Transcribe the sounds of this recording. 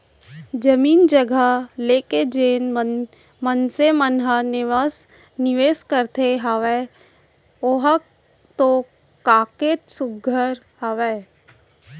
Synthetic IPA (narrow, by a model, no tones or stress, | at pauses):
d͡ʒəmiːnd͡ʒəɡʱəleːked͡ʒeːn | mənsemənɦənɪʋas | nɪʋeːskəɾt̪ʰeɦəʋe | oɦə | t̪o | kaːket̪sʊɡʱəɾ | həʋeː